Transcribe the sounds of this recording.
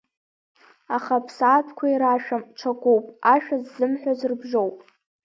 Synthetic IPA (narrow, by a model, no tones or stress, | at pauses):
aχapʰsaːtʷʰkʷʰaiɾaʃᶣamʈ͡ʂʰakʷʼowpʼaʃᶣazːɨmħʷᶣazɨrbʒowpʼ